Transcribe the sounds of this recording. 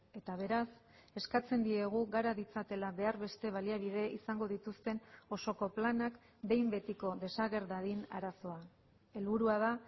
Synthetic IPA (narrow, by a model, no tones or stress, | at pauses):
e̞t̪aβ̞e̞ɾas | e̞skat͡se̞nd̪ie̞ɣ̞uɣaɾaðit͡sat̪e̞laβe̞aɾβe̞st̪e̞β̞aliaβið̞e̞isaŋɡo̞ðit̪ust̪e̞no̞so̞ko̞planak | d̪e̞jmbe̞t̪iko̞ðe̞saɣe̞ɾðaðina̰ɾaso̞a | e̞lβuɾuað̞a